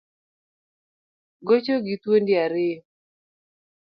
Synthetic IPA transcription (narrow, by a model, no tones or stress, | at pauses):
ɡot͡ʃoɡit̪wondɪaɾɪ